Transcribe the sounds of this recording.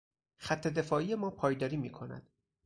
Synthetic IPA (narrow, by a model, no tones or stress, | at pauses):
xæt̪ʰːe̞d̪e̞fɒːʔije̞mɒːpʰɒːjd̪ɒːɾiːmiːkʰo̞næ̰d̪̥